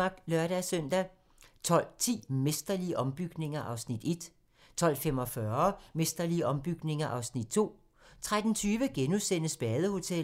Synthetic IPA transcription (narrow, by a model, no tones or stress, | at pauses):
ɑ̈ɡ̥lɶɐɾæsœn̰d̥æ | t͡sʰɒ̽l̰t͡sʰḭːmesd̥ɐliəʔɒ̽mb̥yɡ̥ne̝ŋɐʔɑ̈ʊsnid̥e̝d̥ | t͡sʰɒ̽l̰femɒ̽fɶɐmesd̥ɐliəʔɒ̽mb̥yɡ̥ne̝ŋɐʔɑ̈ʊsnid̥t͡sʰo̝̰ː | t͡sʰʁad̥n̩t͡sʰyːʋəɡ̥enusen̰əsb̥ɛːðˠəho̝t͡sʰel